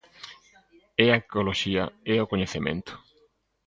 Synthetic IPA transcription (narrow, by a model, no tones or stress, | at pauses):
ɛakoloʃiaeokoɲeθemḛ̃nt̪ʊ̥